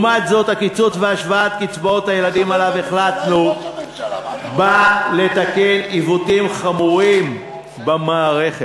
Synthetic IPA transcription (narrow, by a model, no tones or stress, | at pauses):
mat̪zo̞t̪hakit͡sut͡sveaʃvaat̪kit͡sbaot̪hajelad̪imalave̞χlat̪nu | bale̞t̪akelivutimχamuʁim | bemaːʁe̞χe